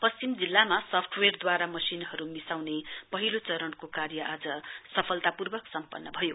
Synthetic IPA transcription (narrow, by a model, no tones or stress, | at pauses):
pʌst͡simd͡zilːamasʌpʰʈʰwerd̪waɾamʌsinɦʌɾumisawnepʌɦilot͡sʌɾʌnkokaɾjʌʔad͡zʌsʌpʰʌlt̪apurbʌksʌmpʌnːʌbʱʌjo